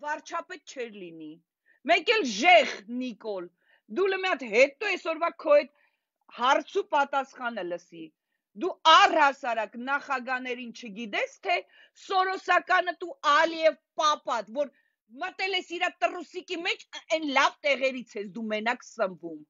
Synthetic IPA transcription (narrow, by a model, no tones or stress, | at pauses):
vɑɾt͡ʃʰɑpɛt̪̚t͡ʃʰɛɾlini | mɛkɛlʒɛʁnikɔl | d̪uləmijɑt̪ɦɛt̪ɔɛsɔɾvɑkʰɔɛt̪ | hɑrt͡sʰupɑt̪ɑsχɑnələsi | d̪uɑrhɑsɑɾɑknɑχɑɡɑnɛɾint͡ʃʰəɡid̪ɛst̪ʰɛ | sɔɾɔsɑkɑnət̪uɑliɛvpɑpɑt̪vɔɾ | mət̪ɛlɛsiɾɑt̪ərusikimɛt͡ʃʰɛnlɑvt̪ɛʁɛɾit͡sʰɛsʰd̪umɛnɑkʰsəmvum